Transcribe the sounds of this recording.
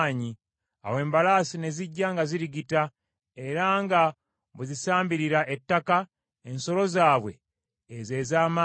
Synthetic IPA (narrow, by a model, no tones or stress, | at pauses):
ɲi | a̰we̞ːmbalaːsine̞ziɟːaŋɡaziɾiɡita | e̞ɾaŋɡa | βuzisaːmbiɾiɾaʔetːaka | enso̞lo̞zaːβwe̞̰ː | ze̞ːzaːma